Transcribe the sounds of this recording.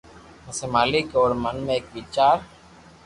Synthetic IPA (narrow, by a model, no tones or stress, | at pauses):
məseːmaːlɪkɔːɾmənmẽeːkʋiːt͡ʃaːɾ